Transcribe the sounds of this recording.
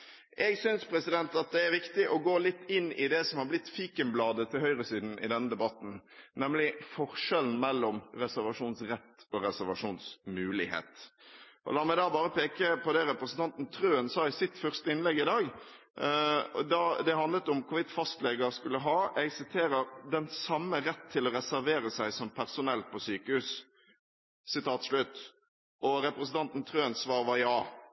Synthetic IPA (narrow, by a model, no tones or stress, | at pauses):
ʔɛɡsʏnspʰɾɛsɪd̪ɛnt̪ɑt̪̚d̪ɛæɾʋɪkt̪ɪʔɔɡoːlɪt̪ːɪnːɪd̪ɛsɔmhɑɾblɪt̪ːfiːkənblɑːd̪ət̪ʰɪlɦœʏɾəsiːd̪n̩ɪ̰d̪ɛnːəd̪ɛbɑt̪ːn̩nɛmlɪfɔɾʂɛln̩mɛlːɔmɾɛsæʁʋɑʂuːnsɾɛt̪ːɔɾɛsæʁʋɑʂuːnsmʉːlɪ̰hḛːt̪ʔɔ̰lɑːmɛd̪ɑːbɑːɾəpʰeːkəpʰɔd̪ɛɾɛpɾəsnt̪ʰɑnt̪n̩t̪ʰɾøːənsɑːɪsɪt̪fœʁst̪əɪnlɛɡːɪd̪ɑːɡ | d̪ɑd̪ɛɦɑnd̪lət̪ʊmkʰʊʋɪt̪fɑst̪lɛɡəɾskʉlːəɦɑːɛɡsɪt̪ʰeːɾəɾd̪ɛnsɑmːəɾɛt̪ʰːɪlɔɾɛsæɾʋeːɾəsæɪsɔmpʰæʁsʊnɛlt̪̚pʰɔsyːkəhʉːs | sɪt̪ʰɑːt̪ʂlʉt̪ː | ɔɾɛpɾɛsnt̪ɑnt̪n̩t̪ʰɾøːənsʋɑːɾʋɑjɑː